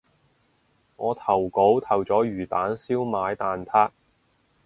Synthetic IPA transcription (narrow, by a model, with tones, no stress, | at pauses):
ŋɔː˨˧t̪ʰɐ˨˩wko˨˥wt̪ʰɐ˨˩wt͡sɔː˨˥jyː˨˩t̪aː˨˥nsiː˥wmaː˨˧jt̪aː˨nt̪ʰaː˥k̚